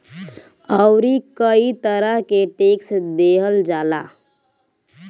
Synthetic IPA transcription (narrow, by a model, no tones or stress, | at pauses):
əʊɾikəit̪əɾəɦkeʈeːksd̪eːɦəld͡ʒaːla̰ː